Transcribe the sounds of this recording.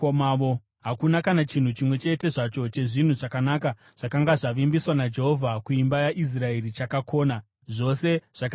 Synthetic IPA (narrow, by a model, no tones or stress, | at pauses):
omaːʋo̞ | ɦakunakanat͡ʃin̤ut͡ʃimwe̞t͡ʃe̞te̞ʐat͡ʃo̞t͡ʃe̞ʐin̤uʐakanaːka | ʐ̥akaŋɡaʐaʋimbiswanad͡ʒe̞ɦo̞vʱakuimbajaʔis̬rae̞rit͡ʃakakʰo̞ːna | ʐo̞se̞ʐ̥ak